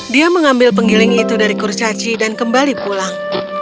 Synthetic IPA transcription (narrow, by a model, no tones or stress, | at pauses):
diaməŋambɪlpəŋilɪŋit̪udaɾikurt͡ʃat͡ʃidankəmbalipulaŋ